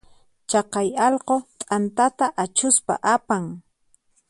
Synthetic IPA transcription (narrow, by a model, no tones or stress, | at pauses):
t͡ʃɑqɑjɑlqot̪ʼant̪at̪aʔat͡ʃʊspa̰ʔapaŋ